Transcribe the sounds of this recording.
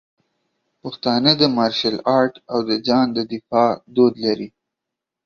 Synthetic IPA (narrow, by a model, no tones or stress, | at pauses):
pəxt̪ɑnəd̪əmɑɾʃalɑɾʈawd̪əd͡ʒɑnd̪əd̪ɪfɑd̪od̪laɾi